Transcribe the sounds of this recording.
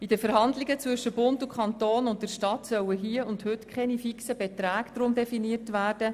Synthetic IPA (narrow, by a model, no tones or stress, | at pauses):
id̥əfəɾɦɑndlɪɡət͡svʏʃːəbʊntʊkʰχɑnt̪oːnʊnt̚d̥əɾʃtɑtsœwəɦiːəʊndhʏtkʰχɛnifiksəbɛtɾæːɡ̥dɾʊmdɛfiniətvæːrd̥ə